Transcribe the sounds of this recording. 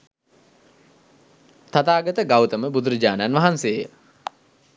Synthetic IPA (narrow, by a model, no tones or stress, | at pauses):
t̪at̪aːɡət̪əɡawt̪əməbud̪uɾəd͡ʑaːnəanʋɐɦanseːjə